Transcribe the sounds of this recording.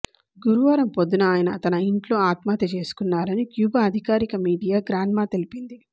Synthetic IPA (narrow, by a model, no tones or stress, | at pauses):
ɡuɾuʋaːɾɐmpod̪ːunɐaːjɐnɐt̪ɐnɐiɳʈlo̞ːaːt̪maːt̪ɐt͡ʃe̞ːsu̥kunːaːɾɐnikjuːbɐːd̪ʱikaːɾikɐmiːɖijaːɡɾaːnmaːt̪e̞lipind̪i